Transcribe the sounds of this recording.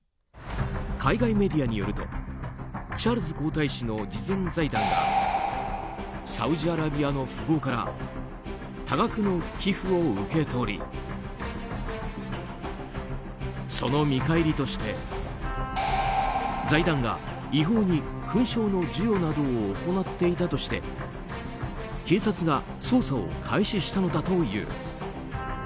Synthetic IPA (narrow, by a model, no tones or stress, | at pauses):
kʰaiɡaime̞d̪ʲiaɲ̟ijo̞̰ɾɯ̟t̪o̞ | t͡ɕaːɾɯ̟zɨko̞ːt̪aiɕino̞d͡ʑizẽ̞nd͡zaid̪ãŋɡa̰ | sa̰ɯ̟ʑiaɾabʲiano̞ɸɯɡo̞ːkaɾa̰ | t̪aɡakɯ̟no̞kʲiɸɯo̞ɯke̞t̪o̞ɾʲḭ | so̞no̞mʲikaiɾʲit̪o̞ɕi̥t̪e̞ | d͡zaid̪ãŋɡa̰ | iɦo̞ːɲ̟i | kɯ̟̃ɰ̃ɕo̞ːno̞d͡ʑɨjo̞nad̪o̞ːko̞nat̪ːe̞it̪at̪o̞ɕi̥t̪e̞̰ | ke̞ːsat͡sɨɡa | so̞ːsao̞̰kʰaiɕiɕi̥t̪ano̞d̪at̪o̞jɯ̰ː